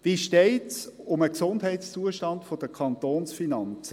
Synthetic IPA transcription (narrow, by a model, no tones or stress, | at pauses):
viʃteɪtsʊməksʊndɦɛɪtst͡suəʃtɑndfod̥əkʰɑnt̪oːnsfinɑnt͡sə